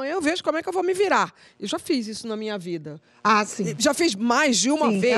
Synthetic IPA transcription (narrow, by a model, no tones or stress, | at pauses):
ɐ̃j̃ewveʒʊkõmʊɛkɪewvowmɪviɾa | ewʒafizisʊnɐmĩɲɐvid̪ɐ | asĩʒafizmajzd͡ʒɪũmɐve